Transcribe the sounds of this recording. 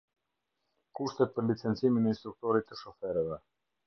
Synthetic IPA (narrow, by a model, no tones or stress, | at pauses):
kuʃt̪ɛt̪̚pəɾlit͡sɛnt͡siminɛinst̪ɾuk̚t̪ɔɾit̪ːəʃɔfɛɾəvɛ